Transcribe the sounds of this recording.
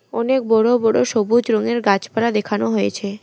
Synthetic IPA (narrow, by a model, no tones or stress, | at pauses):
ɔnek̚bɔɽobɔɽoʃobud͡ʑɾɔŋeɾɡat͡ɕpalad̪ekʰanoɦojet͡ɕʰe